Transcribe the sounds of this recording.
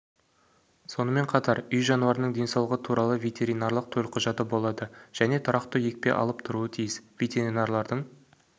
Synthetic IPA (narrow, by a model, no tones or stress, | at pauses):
so̞nəme̞ɴqʰɑt̪ɑɾʏjʒɑnuɑɾənəɴd̪e̞nsɑwlˠəʁət̪ʰuɾʔɑlˠəvʲe̞t̪ʲe̞ɾijnɑrlˠəq̚t̪ʰɵlqʰʊʒɑt̪əbo̞lˠɑd̪əʒ̥æne̞t̪ʰʊɾɑqt̪əje̞k̚pe̞̰ʔɑ̰lˠəpt̪ʰʊɾuət̪ʰijɪsvʲe̞t̪ʲe̞ɾinarlˠɑɾd̪əɴ